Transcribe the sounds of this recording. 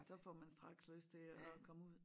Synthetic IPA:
sɒ̽fɒmænsd̥ʁɑ̈ɡ̥sløsd̥̚t͡sʰe̝ɒ̽kʰɒ̽məuð̰ˠ

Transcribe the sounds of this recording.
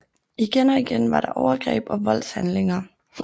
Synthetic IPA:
iɡ̥enɒ̽iɡ̥enʋɑ̈ɾ̥ɑ̈ʔɒʊɐɡ̥ʁɛ̰ːb̥ɒ̽ʋɒ̽l̰shænle̝ŋɐ

